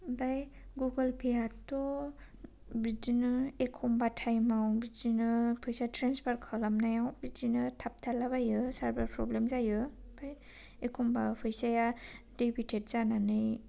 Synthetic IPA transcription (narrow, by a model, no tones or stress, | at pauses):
bajɡuɡɯlpʰejatɔ | bidinɯekʰɔmbatʰajmawbid͡ʒinɯpʰɯjsatʰɾanspʰaɾkʰalamnajawbidinɯtʰap̚tʰalabajɯsaɾbaɾpʰɾɔblemzajɯ | b̥aj | ekʰɔmbapʰɯjsaja | d̥ebʰitʰet̚z̥ananɯj